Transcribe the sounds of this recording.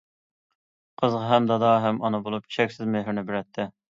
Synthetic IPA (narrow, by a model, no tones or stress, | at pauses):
qʰəzʁɑɦɛmd̪ɑd̪ɑɦɛmɑnɨbolˠup̚t͡ʃʲi̥ʃʰɛkʲsɪzmeɦɪɾnɪbɪɾɛt̪ʰːɪ